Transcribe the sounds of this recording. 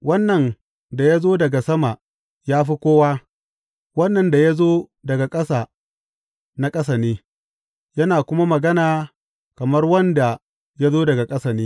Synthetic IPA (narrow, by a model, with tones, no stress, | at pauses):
wɐ˦nːɐ˨n | da˨ja˦zoː˦dɐ˨ɡa˨sɐ˦ma˨ | jaː˦ɸi˦kʷoː˦waː˦ | wɐ˦nːɐ˨nda˨ja˦zoː˦dɐ˨ɡa˨kʼɐ˦saː˨ | na˦kʼɐ˦s̬a˨neː˦ | jɐ˦naː˨kʷʊ˦ma˦mɐ˨ɡɐ˦naː˨ | kɐ˨mɐ˦rwɐ˦nda˨ | ja˦zoː˦dɐ˨ɡa˨kʼɐ˦sa˨neː˦